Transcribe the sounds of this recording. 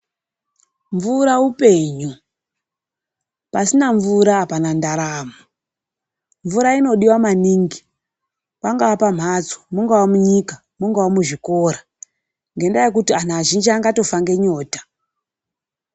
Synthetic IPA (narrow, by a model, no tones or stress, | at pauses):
ɱvuɾaupe̞ːɲu | pasinaɱvuɾaːpanandaɾaːmu | ɱvuɾaino̞ɗiwamaniːŋɡi | paŋɡawapam̤at͡so̥muŋɡawamuɲika | muŋɡawamuʐikoɾa | ŋɡe̞ndajek̬utianaːʒind͡ʒiaŋɡato̞faŋɡe̞ɲo̞ːtḁ